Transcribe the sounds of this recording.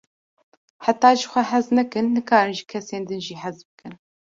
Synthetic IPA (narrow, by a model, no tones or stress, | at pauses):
ħat̪ɑːʒɨxʷɛɦæznɛkɨnːɨkɑːɾɨnʒɨkʰɛseːnd̪ɨnʒiːħæzbɨkɨn